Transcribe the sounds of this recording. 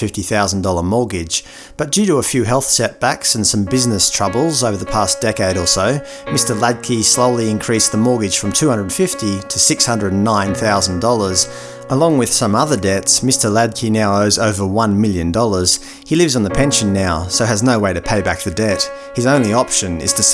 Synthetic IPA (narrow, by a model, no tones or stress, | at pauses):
fɪftiθaʊzn̩dɔlˠə˞mɔɹɡɪ̥d͡ʒ̥ | b̥ʌt̚d̥ʉɾəəfjʉɦɛlˠθsɛt̚b̥æksn̩sʌ̃mbɪznɨstʰɹ̥ʌbl̩ˠzoʊvə˞ðəpʰæsd̥ɛkeɪɾə˞soʊ | mɪstə˞læd̚kʰisloʊlˠiɨ̃nkʰɹ̥isðəmɔɹɡɨd̥ʒ̥fɹʌ̃mtʰʉhʌ̃ndɹə˞dⁿn̩fɪftiɾɨsɪkshʌ̃ndɹədn̩nːãɪ̃nθaʊzn̩dɔlˠə˞z | ʔəlɔ̃ŋwɨð̥sʌ̃mʌðə˞dɛtsmɪstə˞læd̚kʰinaʊoʊzoʊvə˞wʌ̃nmɪlˠjɨ̃ndɔlˠə˞z̥ | hilɪvzn̩ðɨpʰɛ̃nʃɨ̃nːaʊsoʊɨznoʊweɪɾɨpʰeɪbæk̚ðɨdɛt̚ | hɨzõʊ̃nliɑpʃɨ̃nɨ̰z̥tʰɨs